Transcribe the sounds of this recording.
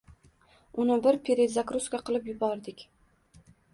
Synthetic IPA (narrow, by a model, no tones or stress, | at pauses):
ʊnɪbɪɾpʰeɾezakɾuskʲaqʰɨlˠɪpjʊbɒɾd̪ɪkʲ